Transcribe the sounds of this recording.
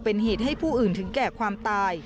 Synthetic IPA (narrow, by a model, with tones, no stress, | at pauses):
pe˧nɦeː˨˩t̪̚ha˥˩jpʰuː˥˩ʔɯː˨˩nt̪ʰɯ˩˦ŋkɛː˨˩kʰwaː˧mt̪aː˧j